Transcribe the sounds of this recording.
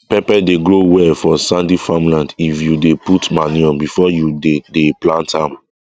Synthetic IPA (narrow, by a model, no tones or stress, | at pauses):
pɛpɛdeɡɹowɛfɔsãndifãmlãndifjudeputmaniɔ̃bifɔjudedeplãntãm